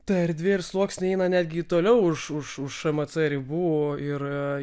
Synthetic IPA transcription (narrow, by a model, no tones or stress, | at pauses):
t̪ɐɛɾʲd̪ʲʋʲeːɪrslˠuɔksʲnʲɪɛɪnɐnʲæːd̪ʲɡʲɪt̪oːlʲɛʊʊʃʊʃʊʃʃɐmɐsɛɾʲɪbuːoɪr